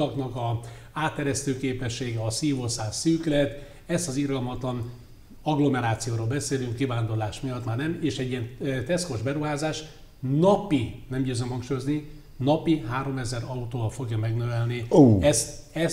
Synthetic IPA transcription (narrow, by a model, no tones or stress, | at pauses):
ɒknɒkɒaːt̪ːɛɾɛst̪øːkeːpɛʃːeːɡɛɒsiːvo̞saːsyːklɛt̪ | ɛst̪ɒzirɡɒlmɒt̪lɒn | ɒɡlo̞mɛɾaːt̪sijoːɾoːlbɛseːlyŋkːivaːnd̪o̞rlaːʃmijɒt̪maːrnɛmeːʃɛɟːijɛnt̪ɛsko̞ʒbɛɾuɦaːzaːʃ | nɒpinɛmɟøːzømhɒŋkʃujozni | nɒpiɦaːɾo̞mɛzɛɾɒut̪oːɒlfo̞ɡjɒmɛɡnøvɛlniɛst̪ | ɛ